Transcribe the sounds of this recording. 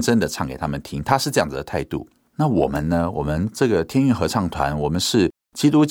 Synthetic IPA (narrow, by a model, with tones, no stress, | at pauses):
ʈ͡ʂə˥nd̪ə˨ʈ͡ʂʰɑ˥˩ŋke˨˩ɪt̪ʰa˥mə˨nt̪ʰi˥ŋt̪ʰa˥ʂɻ̩˥˧ʈ͡ʂɤ˥˧jɑ˥˩ŋd͡zɹ̩ɨ˨d̪ə˨˩t̪ʰa˥˧ɪt̪ṵ˥˩ | na˥˩wɔ˨˩mə̰˦nnə˦wɔ˨˩mə˦nʈ͡ʂɤ˥˩ɡə˩t̪ʰjɛ˥ny˥˩nxɤ˧˥ʈ͡ʂʰɑ˥˩ŋt̪ʰwa̰˧˦nwɔ˨˩mə˦nʂɻ̩˥˩ | t͡ɕi˥t̪u˥t͡ɕ